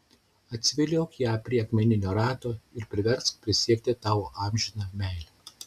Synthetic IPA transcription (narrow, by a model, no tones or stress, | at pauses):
ɐt̪ʲsʲʋʲɪlʲoːkjæːpʲɾʲiɛɐkmʲɛnʲɪnʲoːɾɑːt̪oːɪɾpʲɾʲɪʋʲɛɾskpʲɾʲɪsʲiɛkt̪ʲɪt̪ɑːʋoʔɑːmʲʒʲɪnɑːmʲæɪlʲɛ